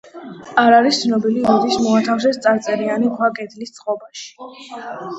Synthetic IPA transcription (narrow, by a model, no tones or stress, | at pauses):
aɾaɾist̪sʰnɔbiliud̪ismɔat̪ʰafs̬ɛst̪sʼaɾt̪sʼɛɾianikʰwakʼɛd̪list̪sʰχʼɔbaʃi̥